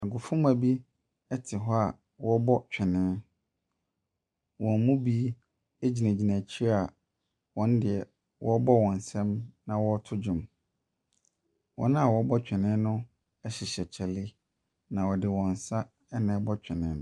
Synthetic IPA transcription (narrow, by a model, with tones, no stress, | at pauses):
a˨ɡʊ˨fʊ̃˦ma˨bi˦ | ɛ˦tʰɪ˨ɦɔ˦a˨ | wɔ˦bɔ˦t͡ɕᶣʰɛ˨nɪ̃˦ | wɔ̃˨m˦mũ˦bi˦ | e˦d͡ʑi˨næ̃˨d͡ʑi˨næ̃˨t͡ɕʰi˦a˨ | wɔ̃˨n̩˦dɪ˨ɛ˨ | wʔɔ˦bɔ˦wɔ̃˨n˨sɛ̃˦mnã˦˨wɔ˦tʰʊ˦d͡ʑᶣʊ̃˨m | wʔɔ̰̃˦ñ˦a˨wɔ˦bɔ˦t͡ɕᶣɛ˨nɪ̃˦nʊ̃˦ | ɛ˦ɕɪ˨ɕɛ˨t͡ɕʰɛ˨lɪ˦ | nã˨wɔ˨dɪ˨wɔ̃˨n˨sa˦ | ɛ˦nɪ̃˨˦bɔ˦t͡ɕᶣʰɛ˨nɪ̃˨˦ñ˦